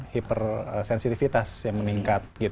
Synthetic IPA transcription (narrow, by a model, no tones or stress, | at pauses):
hipərəsɛnsit̪ifit̪asjaŋməniŋkat̪̚ɡit̪